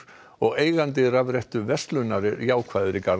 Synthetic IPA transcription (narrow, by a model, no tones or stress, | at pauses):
ɔɣeːjɣant̪ɪɾavɾɛjht̪ʏvɛst̪lʏnaɾɪɾjaːwkʰv̥aːjðʏɾɪkaɾ